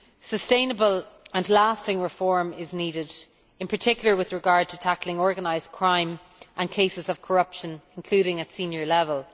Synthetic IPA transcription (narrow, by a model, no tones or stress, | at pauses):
səstẽɪ̃nəbələ̃nlastɪ̃ŋɹɪfɔɹmɪzniːɾɪd | ɪ̃npʰə˞tʰɪkjl̩ə˞wɪðɹɪɡaɹd̚tʰətʰaklɪ̃ŋɔɹɡənaɪz̥kʰɹ̥ãɪ̃m | ʔə̃nkʰeɪsɪzəv̥kʰəɹʌpʃə̃nɪ̃nkʰl̥ʉːɾɪ̃ŋətsĩnjə˞lɛvəlˠ